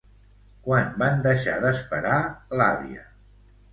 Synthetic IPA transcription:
kwanband̪əʃaðəspəɾala̰βiə̰

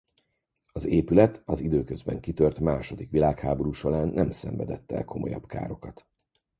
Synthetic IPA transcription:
ɒzeːpylɛt̪ɒzid̪øːkøzbɛŋkit̪ørt̪maːʃo̞d̪ikʋilaːkhaːbo̞ɾuːʃolaːnːɛmsɛ̰mvɛd̪ɛt̪ːɛ̰lkʰo̞mo̞jɒ̰bka̰ːɾo̞kɒt̪

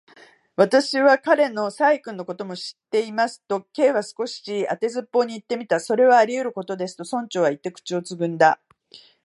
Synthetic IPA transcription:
βat̪aɕiβakaɾe̞no̞saikɯ̃nːoko̞t̪o̞mo̞ɕi̥t̪ːe̞imasɨ̥t̪o̞ke̞ːβasɨ̥ko̞ɕi̥iat̪e̞zɨpːo̞ːɲ̟iːt̪ːe̞mʲit̪aso̞ɾe̞βaːɾʲijɯ̟ɾɯ̟ko̞t̪o̞d̪e̞sɨ̥t̪o̞sõ̞ɲ̟t͡ɕo̞ːβait̪ːe̞kɯ̥t͡ɕio̞t͡sɨɡɯ̟̃nd̪a

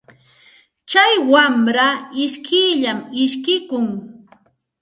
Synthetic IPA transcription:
t͡ʃajwamɾaɪʃkʰɪʎamɪʃkɪkʊŋ

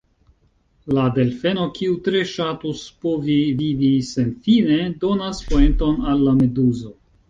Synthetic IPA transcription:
lade̞lfe̞no̞kʰiutɾe̞ʃatuspovivivise̞nfine̞do̞naspo̞ento̞nalːame̞duzo̞

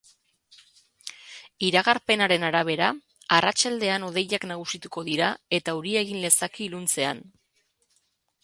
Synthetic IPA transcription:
iɾaɣaɾpe̞naɾe̞naɾaβ̞e̞ɾa | arat͡ʃald̪e̞ano̞ð̞e̞ʎaknaɣ̞usit̪uko̞ðiɾae̞t̪auɾie̞ɣ̞inle̞sakilunt͡se̞a̰n

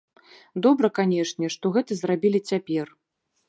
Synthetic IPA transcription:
d̪ɔbɾɐkanʲɛʂnʲɛʂt̪ɔɣɛt̪ɐzrabʲilʲit͡sʲapʲɛr

